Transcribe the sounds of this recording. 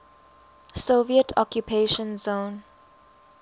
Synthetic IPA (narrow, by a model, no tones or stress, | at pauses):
soviətʰɔkjupʰeʃə̃nzõːn